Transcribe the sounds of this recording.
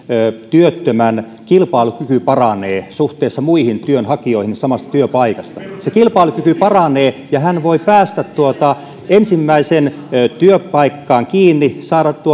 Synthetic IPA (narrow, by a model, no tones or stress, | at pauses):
øt̪yøt̪ːømæn | kilpɑilukykypɑrɑneːsuht̪eːsːɑmuihint̪yønhɑkioihinsɑmɑst̪ɑ̥t̪yøpɑikɑst̪ɑsekilpɑˑilukykypɑrɑneːjɑhænʋoipæːst̪æt̪t̪uot̪ɑ | ensimːæisen | t̪yøpɑikːɑːŋkiːnːisɑːɾɑt̪t̪uo